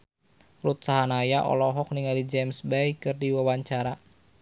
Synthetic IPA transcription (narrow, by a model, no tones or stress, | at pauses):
rut̪̚saɦanajaʔɔ̰lɔɦɔk̚niŋalid͡ʒɛmsbɛjkɨrdiwawaɲt͡ʃaɾa